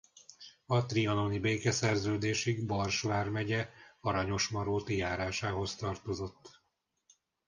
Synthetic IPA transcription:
ɒt̪riɒnonibeːkɛsɛrzøːd̪eːʃiɡbɒrʃʋaːrmɛɟɛɒɾɒɲo̞ʃmɒɾoːt̪jaːɾaːʃaːɦo̞st̪ɒrt̪o̞zo̞t̪ː

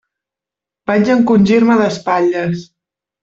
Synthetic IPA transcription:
baɲd͡ʒəŋkunʲʒiɾməðəspaʎəs

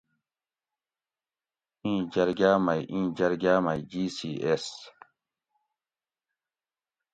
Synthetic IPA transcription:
ĩːd͡ʑɐɾɡaːmɐjʔĩːd͡ʑɐɾɡaːmajd͡ʑiːsiːes

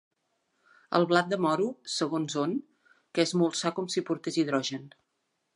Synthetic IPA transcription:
ə̰lˠβlat̪̚d̪əmɔɾusəɣonzon | kɛzmolˠsakɔmsipuɾt̪eziðɾɔʒən

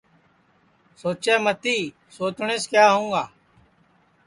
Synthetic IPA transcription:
soːt͡ʃeːmət̪iː | soːt͡ʃɳeːskjaːɦõːŋɡaː

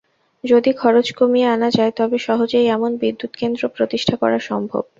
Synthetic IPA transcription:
d͡ʑod̪ikʰɔɾot͡ɕkomijeanad͡ʑaet̪ɔbeʃɔɦod͡ʑejɛmonbid̪ːut̪kend̪ɾopɾot̪iʃʈʰakɔ̰ɾaɾʃɔmbʱo̰b

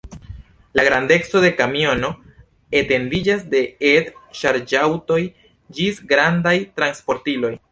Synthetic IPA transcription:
laɡɾande̞kt͡so̞de̞kamio̞no̞ | ete̞ndid͡ʒasde̞edʃaɾd͡ʒawto̞j | d͡ʒisɡɾandajtɾanspo̞ɾtilo̞j

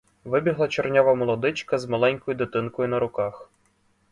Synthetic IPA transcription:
ʋɪbʲiɦlˠɐt͡ʃernʲaʋɐmɔlˠɔd̪ɪt͡ʃkɐzmɐlˠɛnʲkɔjʊd̪ɪt̪ɪnkɔjʊnɐɾʊkɑx

